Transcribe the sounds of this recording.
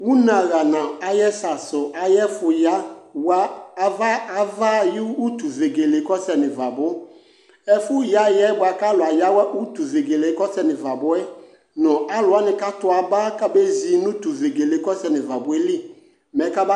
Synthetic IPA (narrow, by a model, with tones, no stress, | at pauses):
wu˦nã˨ɣa˨nã˨a˦jɛ˦sa˨sʊ˨ʔa˨jɛ˦fʊ˨ja˦waː˦˨va˦a˨va˦jɪ˦u˦tu˨ve˨ɡe˨le˨˦kɔ˦sɛ˨nɪ̃˨va˨bʊ˦ | ɛ˦fʊ˦ja˦jɛ˦bʊ˨a˨ka˦lʊ˨a˨ja˦wɛ˦ʔu˦tu˨ve˨ɡe˨le˨˦kɔ˦sɛ˦nɪ̃˨va˨bʊ˦ɛ˦ | nɔ̃˨a˦lʊ˨a˦nɪ̃˨ka˦tʊ˨a˨ba˦ka˦be˦zi˨˦nʊ̃˦tu˨ve˨ɡe˨le˨˦kɔ˦sɛ˨nɪ̃˨va˨bʊ˨˦ɛ˦li˦ | mɛ˨˦ka˦ba˦